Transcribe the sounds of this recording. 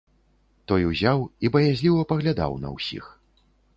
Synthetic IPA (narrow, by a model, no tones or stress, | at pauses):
t̪ɔjuzʲawibɐjazʲlʲiwɐpɐɣlʲad̪a̰wnɐ̰wsʲḭx